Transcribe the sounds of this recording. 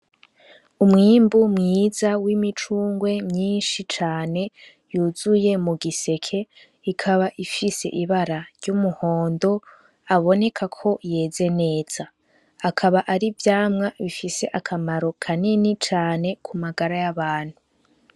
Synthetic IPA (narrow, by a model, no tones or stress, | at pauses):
umŋiːmbumŋiːzawimit͡ʃuːŋɡwe̞mɲiːnʃit͡ʃaːne̞ | juːzuje̞muɡise̞kʰe̞ | ikʰaβaʔifise̞̰ʔiβaɾaɾɟumuho̞ːndo̞ | aβo̞ne̞kʰakʰo̞je̞ːze̞ne̞ːz̥aː | kʰaβaʔaɾivjaːmŋaβifise̞ʔakʰamaɾo̞kʰaninit͡ʃaːne̞kʰumaɡaɾajaβaːn̥hu